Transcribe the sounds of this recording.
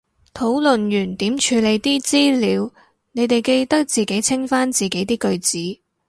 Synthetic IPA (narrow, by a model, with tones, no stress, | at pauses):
t̪ʰo˨˥wlɵ˨njyː˨˩nt̪iː˨˥mt͡ʃʰyː˨˧˥le˨˧jt̪iː˥t͡siː˥liː˨˧w | ne˨˧jt̪e˨˩jke˧jt̪ɐ˥k̚t͡siː˨˩ke˨˥jt͡sʰɪ˥ŋfaː˥nt͡siː˨˩ke˨˥jt̪iː˥kɵ˧ɥt͡siː˨˥